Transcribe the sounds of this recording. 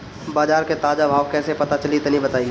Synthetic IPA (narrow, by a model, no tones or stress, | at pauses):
baːd͡ʒaːɾket̪aːd͡ʒabʱaːʋkɛːsepɐt̪at͡ʃɐlit̪enĩbɐt̪aːi